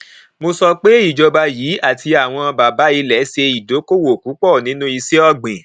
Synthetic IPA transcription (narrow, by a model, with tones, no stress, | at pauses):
mo˧sɔ˧k͡pe˦i˦˨d͡ʒɔ˧ba˧jiː˨˦a˦˨ti˧a˨w̃ɔ̃˧ba˨ba˨˦i˧lɛ˨˦se˧i˨do˨˦ko˦wo˨ku˨˦k͡pɔ˦˨nĩ˨˦nũ˦i˧se˦ɔ˧ɡ͡bĩ˨